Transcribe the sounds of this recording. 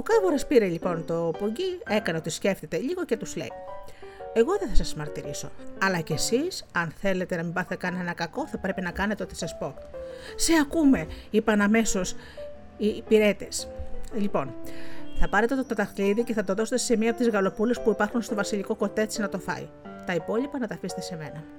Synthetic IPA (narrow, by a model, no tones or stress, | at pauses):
okɐvoɾɐspiɾeʎipo̞nt̪o̞poɲɟie̞kɐneo̞t̪isce̞ft̪et̪eʎiɣo̞ce̞t̪uz̥le̞̰i | e̞ɣo̞ðeθɐsɐsmɐɾt̪iɾiso̞̰ɐlɐce̞sisɐnθe̞le̞t̪e̞nɐmibɐθet̪ekɐnenɐkɐko̞θɐpɾe̞pinɐkɐnet̪eot̪i̥sɐspo̞seɐkume̞ipɐnɐme̞so̞s | ipiɾe̞t̪e̞slipo̞nθɐpɐɾe̞t̪e̞t̪ot̪o̞t̪ɐxliðice̞θɐt̪o̞ðo̞se̞t̪e̞se̞miɐpot̪izɣɐlo̞pule̞spuipɐɾxunst̪o̞vɐsiʎiko̞ko̞t̪e̞t͡sinɐt̪o̞fɐ̰ḭ | t̪ɐipo̞lipɐnɐt̪ɐːfise̥t̪ese̞me̞nɐ